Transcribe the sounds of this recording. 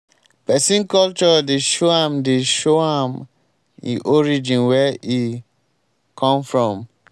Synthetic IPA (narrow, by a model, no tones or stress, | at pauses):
pɛsĩnkɔlt͡ʃɔdeʃoãmdeʃoãm | ḭʔɔɹid͡ʒĩnwɛi | kʰɔ̃mfɹɔ̃m